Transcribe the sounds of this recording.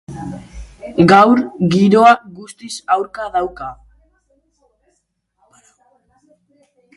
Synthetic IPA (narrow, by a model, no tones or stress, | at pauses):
ɡawɾɡiɾoaɣust̪isawɾkaðawka